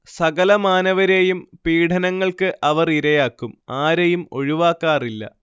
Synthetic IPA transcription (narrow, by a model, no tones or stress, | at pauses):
ssɐɣɐlɐmaːnɐʋɐɾe̞jumpiːɽʰʱɐnɐŋːɐɭkɨʔɐʋɐriɾɐjaːkːumaːɾejumo̞ɻiʋaːkːaːrilːɐ̰